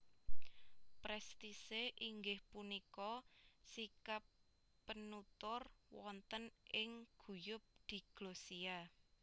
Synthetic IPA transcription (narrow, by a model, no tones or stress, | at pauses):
pɾɛst̪iseʔiŋɡɪhpunikɔsikapː | ənut̪ʊrwɔnt̪ənɪŋɡ̥ṳjʊp̚d̪̥i̤ɡ̥losia